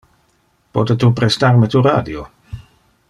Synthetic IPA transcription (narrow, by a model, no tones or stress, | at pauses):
pɔt̪et̪upɾɛst̪aɾmet̪uɾaːd̪jo